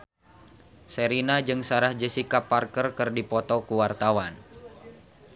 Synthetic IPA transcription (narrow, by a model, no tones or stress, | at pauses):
seɾinad͡ʒɨŋsaɾahd͡ʒəsikaparkərkərdipɔt̪ɔkuwart̪awan